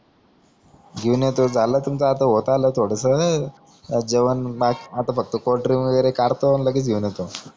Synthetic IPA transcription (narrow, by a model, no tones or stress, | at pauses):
ɡʱeunjet̪od͡zalət̪umt͡səːt̪əɦot̪alət̪ʰoɽəsə | d͡zeʋənmaat̪afək̚t̪əkoɾʈɾiʋəɡəɾekaɾt̪onləɡiːt͡sɡʱeunjet̪o